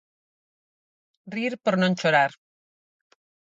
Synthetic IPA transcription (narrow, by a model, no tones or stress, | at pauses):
riɾpoɾnont͡ʃoɾaɾ